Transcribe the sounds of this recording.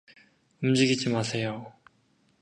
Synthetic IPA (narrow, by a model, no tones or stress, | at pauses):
umd͡ʑiɡid͡ʑimasʰe̞jo